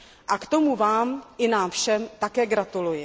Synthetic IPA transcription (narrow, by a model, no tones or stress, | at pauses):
ʔakt̪o̞muvaːmʔɪnaːmfʃɛmt̪akɛːɡɾat̪ulujɪ